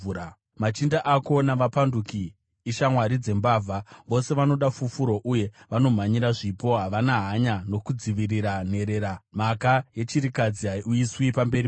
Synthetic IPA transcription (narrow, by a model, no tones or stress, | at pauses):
a | mat͡ʃindaʔako̞naʋapandukiː | ʃamwaɾid͡ze̞mbaːvʱaʋo̞se̞ʋano̞ɗafufuɾo̞ʔuje̞ʋano̞m̤aɲiɾaʐipo̞ɦaʋanaɦaɲano̞kud͡ziʋiriɾan̤e̞ɾe̞ɾam̤akaje̞t͡ʃiɾikad͡ziɦauiswipambe̞ri